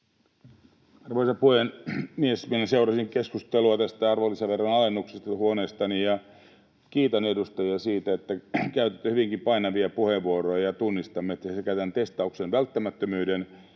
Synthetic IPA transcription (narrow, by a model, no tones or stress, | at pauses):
ɑrʋoisɑpuhenmiesminæseurɑsiŋkeskust̪eluɑt̪æst̪æɑrʋolːisɑʋerːɑnɑlenːuksest̪ɑhuoneːst̪ɑnijɑ | kiːt̪ɑnedust̪ɑjiɑsiːt̪æet̪ːækæyt̪et̪ːøhyʋiŋkipɑinɑʋiɑpuheʋːuorojɑjɑt̪unːist̪ɑmːet̪ːæsekæyt̪ænt̪est̪ɑuksenʋælt̪ːæmæt̪ːømyːden